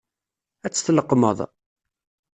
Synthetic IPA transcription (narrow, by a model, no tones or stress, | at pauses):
æt͡sːə̥θləqːmə̰ðˤ